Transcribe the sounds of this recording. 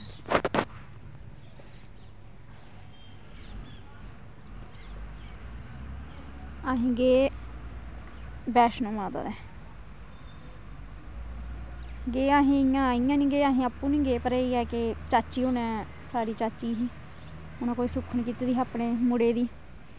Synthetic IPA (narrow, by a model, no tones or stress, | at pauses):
aɦẽːɡeː | bɛːʃnõːmaːd̪a̰ːd̪ɛː | ɡeːaːɦẽːɪjãːiːãːnĩːɡeːaːɦẽːapːũːnĩːɡeːpəɾeiːɛːket͡ʃaːt͡ʃiːonɛ̃ː | saːɽiːt͡ʃaːt͡ʃiːɦiː | ʊnãːkoːiːsʊkʰːnkiːt̪eːd̪iːaːpɳeːmʊɽeːd̪iː